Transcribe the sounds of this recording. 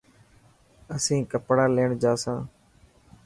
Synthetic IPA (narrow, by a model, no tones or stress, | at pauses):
əsĩːkəpɽaːleːɳd͡ʒaːsãː